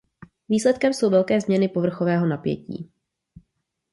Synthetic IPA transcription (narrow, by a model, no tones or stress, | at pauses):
viːslɛt̪kɛmso̞wvɛlkɛːzmɲɛnɪpo̞vr̩xo̞vɛːɦo̞napjɛ̰cḭː